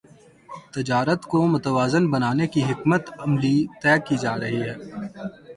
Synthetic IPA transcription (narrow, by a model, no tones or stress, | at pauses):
t̪ɪd͡ʒaːɾət̪komʊt̪əʋaːzənbɐnaːnekiɦɪkmət̪ɐmlit̪ɛːkːid͡ʒaːɾɐɦiɦɛː